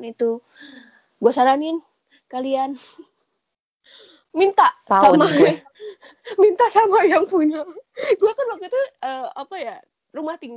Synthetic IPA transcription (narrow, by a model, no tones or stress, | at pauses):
nit̪u | ɡuasaɾanɪn | kalian | mint̪apaama | mint̪asamajaŋpuɲaɡuakanbakat̪uəapaja | rumaht̪iŋ